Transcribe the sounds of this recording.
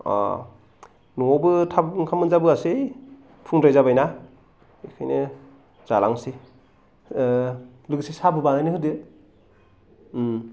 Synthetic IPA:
a̰ | nɔbɯtʰabŋkʰamɯnzabɯase | pʰuŋɾajzabajna | ikʰajne | z̥alaŋse | lɯɡisesabɯbanajnɯɦɯdɯ

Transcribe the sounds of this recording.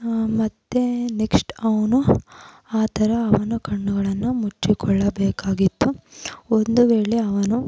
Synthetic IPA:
mɐt̪ːeneksʈɐʋɐnu | aːt̪ʰɐɾɐːʋɐnukɐɳːuɡɐɭɐnːumut͡ʃːikɔɭːɐbɛːkaːɡit̪ːuond̪uʋeːɭe̞ɐʋɐnu

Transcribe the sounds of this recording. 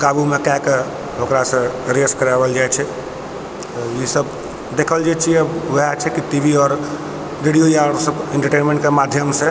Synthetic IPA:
ɡabumekake | okɾasə̃ɾeskəɾabəld͡ʒajt͡ʃʰɛ | ɔjisəb | d̪ekʰəld͡ʒajt͡ʃʰiɛʋəat͡ʃʰɛkiʈiʋʱiɔːɾ | ɾeɽijojaɾsəbẽɳʈəɾʈenmẽɳʈkemad̪ʱjəmse

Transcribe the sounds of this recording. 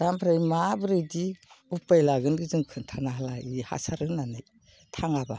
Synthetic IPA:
d̥ampʰɾajmabɯɾɯdiupajlaɡɯnɡɯzɯŋkʰɯntʰanaɦalaiha̰saɾɯnːanɯj | tʰaŋaba

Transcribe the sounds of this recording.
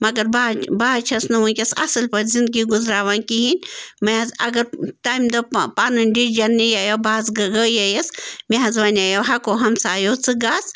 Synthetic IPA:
mɐɡɐɾbabaːt͡ʃʰɐsnɐʋuːkʲɐsɐ̰sɨlpɐɾʲzind̪̚ɡiɡuzɾaːʋãːnkiɦinʲmɐɐzɐ̰ɡɐɾʈaːjmd̪ɐpaːnɨnʲɖid͡ʒɐnːijaːjobaːzɡɐɡəːjɐjɐsmeɦɐzʋɐnʲaːjoɦɐkoːɦɐmsaːjoːt͡sɨɡaːs

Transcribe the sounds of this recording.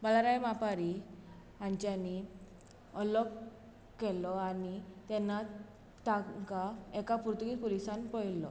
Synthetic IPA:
balaɾajmapaɾi | aɲt͡ɕani | ɔlɔkː | ɛlɔanit̪ɛnːa | t̪ãkaɛkapuɾt̪uɡit̪pɔlisanpɔjlɔ̰

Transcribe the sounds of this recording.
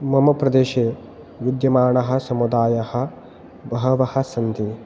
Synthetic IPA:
mɐmɐpɾɐd̪eːʃeː | ʋud̪jɐmaːɳɐɦɐ̆sɐmud̪aːjɐhɐ̆ | bɐɦɐʋɐhɐ̆sɐnt̪i

